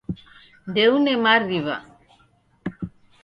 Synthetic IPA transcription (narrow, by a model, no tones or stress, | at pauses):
d̪eunemaɾriβa̰